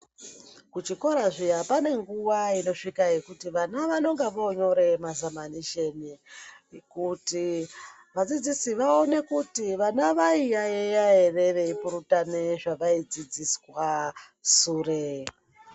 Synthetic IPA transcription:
kut͡ʃiko̞ɾaʐijapane̞ŋɡuʋaino̞ʂikajekutiʋanaʋano̞ŋɡeʋo̞ɲo̞ɾe̞mazamaniʃeni | kuti | ʋad͡zid͡zisiʋao̞ne̞kutiʋanaʋaijajejae̞re̞ʋe̞ipuɾutaneʐaʋaid͡zid͡ziswa | sure

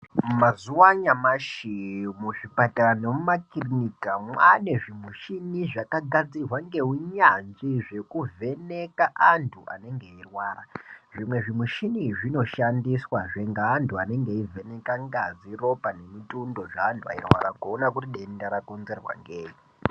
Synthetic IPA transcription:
mazuwaɲamaʃimuʐipatanemumakirinikamwaneʐimuʃiniʐakaɡʱad͡zirwaŋɡe̞ɦuɲand͡ʒiʐe̞kuvʱe̞ne̞kaʔantʰuʔa̰ne̞ŋɡe̞irwaːraʐimwe̞ʐimuʃiniʐino̞ʃandiswaʐeŋɡaːntʰuane̞ŋɡe̞ivʱe̞ne̞kaŋɡaziro̞pane̞mitundo̞ʐaːntʰua̰irwa̰ɾaɡʱonak̬utiɗendaɾakonzerwa̰ŋɡeːɦi

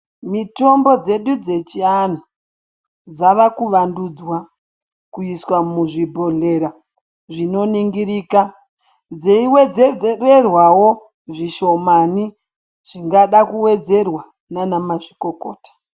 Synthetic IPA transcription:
mito̞mbo̞d͡ze̞ɗud͡ze̞t͡ʃiano | d͡zaʋakuʋandud͡zwa | kuiswamuʐibʱo̞ɮe̞ɾa | ʐino̞niŋɡiɾiːka | d͡zeiwe̞d͡zed͡zererwawo | ʐiʃo̞mani | ʐ̥iŋɡaɗakuwe̞d͡ze̞rwa | nanamaʐiko̞ko̰ːtḁ

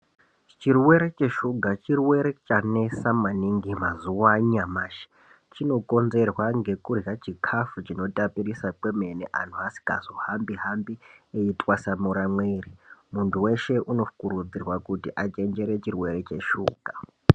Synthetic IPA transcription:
t͡ʃirwe̞ɾe̞t͡ʃeʃuɡʱat͡ʃirwe̞ɾe̞t͡ʃane̞samaniŋɡimazuwaɲamaːʃi̥ | t͡ʃino̞kʼo̞nzerwaŋɡe̞kurjat͡ʃikʰafut͡ʃino̞tʼapirisakwe̞me̞neʔa̰n̤uasi̥ka̰zo̞hambiɦambieitʼwasamuɾamweːrimuntʰuwe̞ʃe̞ʔuno̞fukuɾud͡zirwakutiʔat͡ʃe̞nd͡ʒe̞ɾe̞t͡ʃirwe̞ɾe̞t͡ʃe̞ʃuːɡ̥ʱa

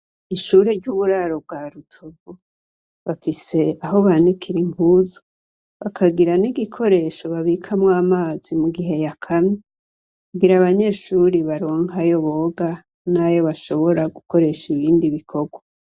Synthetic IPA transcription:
iʃuːɾeɟuːβuɾaɾo̞b̚ɡaːɾutʰoɡo | βafise̞aɦo̞βanikʰiɾiŋɡuːzo | βakʰaɡiɾaniɡikʰo̞ɾe̞ːʃo̞βaβikʰamwaːmaːz̥imuɡiɦe̞jakʰame | kuɡiɾaβaɲe̞ːʃuːɾiβaɾo̞ːŋhajo̞βo̞ːɡa | najo̞βaʃo̞βo̞ɾaɡuko̞ɾe̞ʃiβiːndiβikʰo̞ɡwa

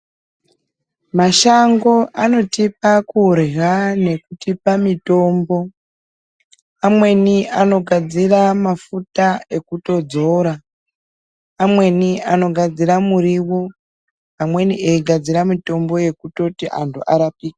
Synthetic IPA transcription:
maʃaŋɡo̞ʔano̞tipakurɣane̞kutipamito̞ːmbo̞ | amwe̞niano̞ɡʱad͡ziramafutae̞kuto̞d͡zo̞ɾa | mwe̞niano̞ɡʱad͡ziramuɾiwo | amwe̞niʔeiɡʱad͡ziramito̞mbo̞je̞kuto̞tiʔa̰ntʰuʔaɾapiːka

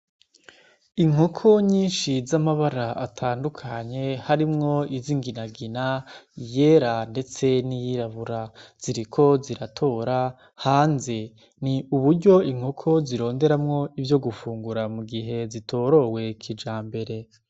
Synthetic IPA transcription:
iŋ̥o̞kʰo̞ɲiːnʃizamaβaɾaatʰaːndukʰaɲe̞haɾimŋo̞iziŋɡinaɡinaje̞ːɾande̞t͡se̞nijiɾaβuɾaz̥iɾikʰo̞ziɾatʰo̞ːɾa | haːnze | niuβuɾɟo̞iŋ̥ho̞kʰo̞ziɾo̞ːnde̞ɾamŋo̞ivjo̞ɡufuːŋɡuɾamuɡiɦe̞zitʰo̞ɾo̞we̞kʰid͡ʒaːmbe̞ɾe̞

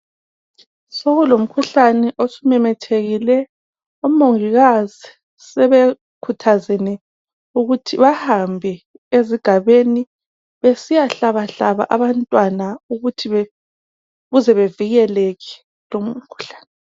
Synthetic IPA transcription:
soɣulom̩kʰuɬanɛʔosumɛmɛtʰeɣilɛ | umoŋiɣazi | sɛβe | kʰutʰazɛnɛ | uɣutʰiβahambʱɛ | eziɡ̥ʱaβeni | βesijaɬaβaɬaβa̰ʔaβantʼwanauɣutʰiβ | ɣuzɛβeviɣɛleki̥ | lom̩kʰu̥ɬḁːnɛ

